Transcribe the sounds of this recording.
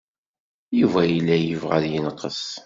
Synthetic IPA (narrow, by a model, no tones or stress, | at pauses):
juvæjilːæjəvʁæ̰ðjənəqːəs